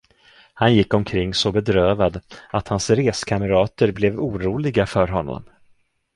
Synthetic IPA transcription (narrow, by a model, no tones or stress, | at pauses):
hanjɪkːɔmkʰɾɪŋːsɔbɛd̪ɾøːvad̪at̪hansɾeːskʰaməɾɑːt̪əɾblɛvuːɾuːlɪɡafœɾɦɔnːɔ̰m